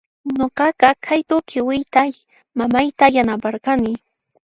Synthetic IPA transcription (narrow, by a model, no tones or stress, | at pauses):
ɲoqɑqɑkʰajt̪ʊkʰɪwɪjt̪a | mamajt̪ajanapaɾqɑnɪ